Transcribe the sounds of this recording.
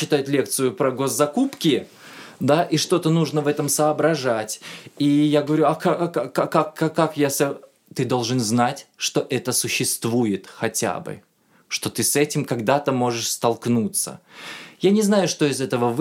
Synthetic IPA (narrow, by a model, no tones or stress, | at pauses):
ɪt̪ajʊt̪lʲe̞k̚t̪sɨjʊpɾəɡo̞zːɐkupkʲɪ | d̪aʔiʂt̪o̞t̪ənuʐnəvɛt̪əmsəːbɾɐʐatʲijaɡəvɐɾʲuɐkakaakːakːakːakjasɐ | t̪ɨd̪o̞lˠʐɨnznatʲʂt̪o̞ʔɛt̪əsʊɕːɪst̪vujɪt̪xɐtʲa̰bɨ̰ | ʂt̪o̞t̪ɨsɛtʲɪmkɐɡd̪at̪əmo̞ʐɨʂst̪ɐlˠknut̪sə̰janʲɪznajʊʂt̪o̞ɪzɛt̪əvəv